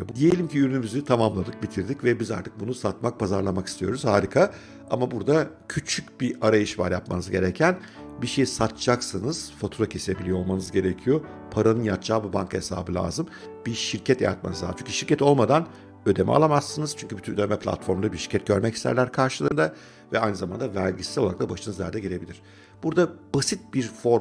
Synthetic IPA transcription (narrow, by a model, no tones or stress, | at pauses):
bd̪ije̞lʲimcʰiyɾynymyzyt̪ʰamamlˠad̪ɯk̚bit̪ʰiɾd̪icvɛbiza̰ɾt̪ʰɯ̥k̚bunusat̪̚mak̚pʰazaɾlˠamaki̥st̪ʰijo̞ɾuz̥haːɾʲikʰa | a̰mabuɾd̪acʰyt͡ʃʰyc̚biʔaɾajɯʃva̰ɾjapma̰nɯzɟe̞ɾɛcʰæn | biʃe̞jisat̪d͡ʒaksɯnɯz̥fot̪ʰuːɾacʰese̞bilʲijo̞lˠmanɯzɟe̞ɾecʰijopʰaɾanɯnjat̪t͡ʃaːbibaŋkʰaesa̰ːbɯlʲa̰ːzɯm | biʃiɾcʰɛt̪ʰja̰ja̰t̪̚ma̰nɯza̰ːt͡ʃyɲʲcʰyʃiɾcɛt̪o̞lˠmad̪an | ød̪emʔɛ̰a̰lˠamasːɯnɯz̥t͡ʃʰyɲʲcʰybyt̪ʰynød̪emɛpʰlʲa̰t̪fo̞ɾmɾabiʃi̥ɾcʰɛt̪̚ɟ̥ø̞ɾmɛcist̪ʰæ̰ɾlʲæɾkʰaɾʃɯlˠɯːnd̪a | vɛajnɯzamand̪avæɾʲɟissloaɾakt̪d̪abaʃɯnɯzlʲæ̰ɾd̪ɛɟiɾe̞bilʲiɾ̥ | b̥uɾd̪ab̥asit̪̚biɾfo̞ɾ